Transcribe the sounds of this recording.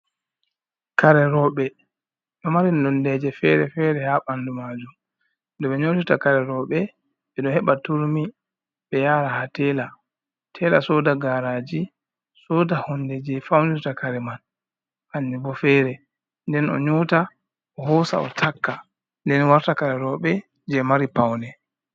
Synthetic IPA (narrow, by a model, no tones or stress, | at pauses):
kaɾɛɾɔɓɛ | ɗɔmaɾindɔndɛd͡ʒɛfɛ̰ɾɛfɛɾɛhaɓandumad͡ʒum | dɔɓɛɲotutakaɾɛɾɔɓɛ | ɓɛɗɔhɛɓatuɾmi | ɓɛjaːɾahatɛːla | tʰɛla̰sɔdaɡaɾaːd͡ʒi | sɔːdahɔndɛd͡ʒɛfawndutakaɾɛman | aɲːibɔfɛɾɛ | ndɛnɔ̰ɲuːta | ɔhɔsa̰ɔ̰tʰakːa | ndɛnwaɾtakaɾɛɾɔɓɛ | d͡ʒɛmaɾipawnɛ